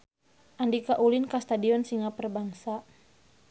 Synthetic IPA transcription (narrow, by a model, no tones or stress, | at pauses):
ʔandikaʔulinkast̪adiɔnsiŋapərbaŋsa